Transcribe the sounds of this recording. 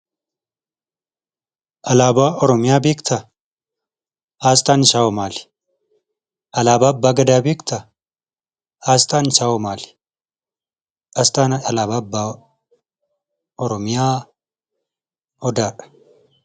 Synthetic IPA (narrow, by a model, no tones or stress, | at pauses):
ʔɐlaːbaːɔɾɔmɪjaːbeːkt̪ʰɐ | aːst̪aːnɪʃaːɔmaːl | ʔɐlaːbaːbːaːɡɐd̪aːbeːkt̪ɐ | aːst̪aːnɪʃaːwɔmaːlɪ̥ | ast̪aːnɐɐlaːbaːbːaː | ɔɾɔmɪjaː | hɔd̪aːᶑɐ̥